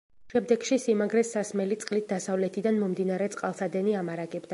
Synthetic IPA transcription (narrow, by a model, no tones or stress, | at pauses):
ʃɛmd̪ɛɡʃisimaɡɾɛsasmɛlit̪sʼqʼlit̪̚d̪asavlɛt̪ʰid̪anmɔmd̪inaɾɛt̪sʼqʼalˠsad̪ɛniamaɾaɡɛbd̪a